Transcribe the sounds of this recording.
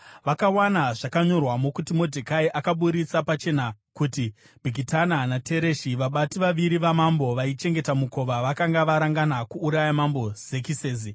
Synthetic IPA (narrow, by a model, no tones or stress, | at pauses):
ʋakawanaʐakaɲo̞rwamo̞kutimo̞dʱekaiʔakaɓuɾit͡sapat͡ʃe̞nakuti | bʱiɡitananatʰe̞ɾe̞ʃiʋaɓatiʋaʋiɾiʋamambo̞ʋait͡ʃe̞ŋɡe̞tamuko̞ʋaʋakaŋɡaʋaɾaŋɡanakuːɾajamambo̞z̥e̞kiseːzi